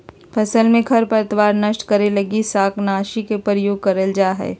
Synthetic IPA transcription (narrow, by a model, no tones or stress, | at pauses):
pʰɐsəlmẽkʰɐɾpɐɾət̪waːɾnɐʃʈkɐɾelɐɡisaːknaːʃikepəɾəjoːɡ̚kɐɾəld͡ʒaːɦɛ̰ː